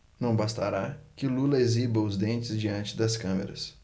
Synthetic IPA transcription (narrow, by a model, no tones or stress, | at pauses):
nɐ̃w̃bast̪aɾakɪlulɐezibɐʊzd̪ẽnt͡ʃɪzd͡ʒiɐ̃nt͡ʃɪd̪ɐskɐ̃mḛɾɐ̰s